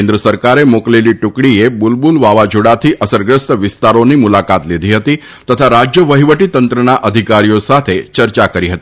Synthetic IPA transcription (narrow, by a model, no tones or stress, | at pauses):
end̪ɾəsəɾkaɾemokleliʈukɽiebulbulʋaʋad͡ʒʱuɽat̪ʰiʔəsəɾɡɾəst̪əʋist̪aɾonimulakat̪lid̪ʱiɦət̪iː | t̪ət̪ʰaɾad͡ʑjəʋəɦiʋəʈit̪ənt̪ɾənaʔəd̪ʱikaɾijosat̪ʰet͡ɕəɾt͡ʃakəɾiɦət̪i